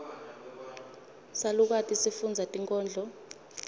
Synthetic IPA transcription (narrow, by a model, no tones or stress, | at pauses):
saluk̬atʼisifund͡zʱatʼiŋkʼɔːnd͡ɮʱɔ